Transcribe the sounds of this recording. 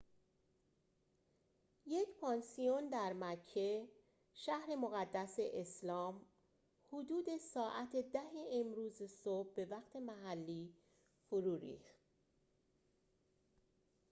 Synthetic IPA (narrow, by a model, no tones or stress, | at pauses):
je̞cʰpʰɒːnsijond̪æɾmæcʰːe | ʃæhɾe̞mo̞ɣæd̪ːæseʔeslɒːm | hod̪uːd̪e̞sɒːʔæt̪ʰed̪æɦeːmɾuːzesob̚ːe̞væqt̪ʰe̞mæɦælːiː | foɾuːɾḭːxt̪̚